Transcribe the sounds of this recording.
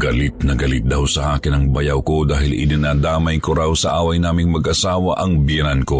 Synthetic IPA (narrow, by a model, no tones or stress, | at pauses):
ɡɐlɪt̪̚nɐɡɐlɪt̪̚d̪awsɐʔaːkɪnɐŋbɐjawko̞d̪aːhɪlɪ̰d̪ɪnaːd̪aːmɐjkoɾawsɐʔaːwɐjnaːmɪŋmɐɡʔɐsaːwɐʔɐŋbjɛnanko̞